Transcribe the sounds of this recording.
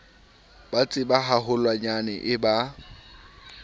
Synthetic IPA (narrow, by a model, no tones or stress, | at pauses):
b̥at͡sʼɪbaɦaɦʊlwaɲanɛʔɪba